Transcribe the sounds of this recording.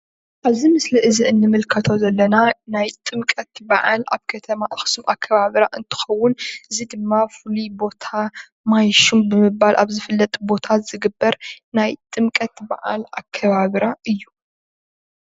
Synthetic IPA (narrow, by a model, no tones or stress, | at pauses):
ʔaβzimɨsliʔɨziʔɨnːɨmɨlkʰɐt̪ʰo̞zɐlːɐnanajt̪ʼɨmkʼɐt̪baʕala̰βkʰɐt̪ʰɐmaʔɨxsumʔakʰːɐβaβɾaʔɨnt̪ʰɨ̥xɐwːʊnʔɨzid̪ɨmːafɨlibo̞t̪ʰa | majʃumbɨmɨbalʔa̰βzɨfɨlːɐt̪ʼbo̞t̪ʰazɨɡɨbːɐɾnajt̪ʼɨmkʼɐt̪ba̰ʕa̰lakʰːɐβaβɾaʔɨjːu